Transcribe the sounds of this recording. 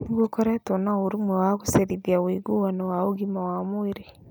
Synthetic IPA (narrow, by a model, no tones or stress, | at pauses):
niɡokɔɾɛtonaoɾumwɛwaɣoseɾiðjawiɡowanɛwaoɡimawamoeɾe